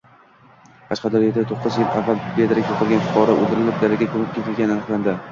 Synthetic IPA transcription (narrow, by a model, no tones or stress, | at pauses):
qʰɑʃqɑd̪aɾet̪ʰat̪ʰoqːɨzjɪlavːalbed̪ɪɾak̚ʲj̪ʰoqʰɨlˠɡʲanfʊ̥qʰɒɾɒʔo̰d̪ɪɾɪlɪp̚d̪aɾɪɡʲakʰɵmɪp̚ʲkʰʲek̪ʲʰɪlɡʲananɨqlˠand̪ɪ